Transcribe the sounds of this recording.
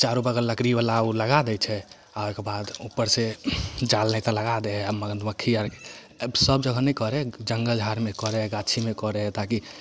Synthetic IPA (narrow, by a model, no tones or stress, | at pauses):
t͡ʃaɾubəɡəlləkɾibalauləɡad̪ɛt͡ʃʰɛ | aekebad̪upːəɾsed͡ʒalnɛt̪ɔləɡad̪eɦɛməɡənd̪məkʰːiaɾke | səb̚d͡ʒəɡʱənɛkɔɾɛd͡ʒəŋɡəld͡ʒʱaɾmekɔɾɛɡat͡ʃʰimekɔɾɛt̪aki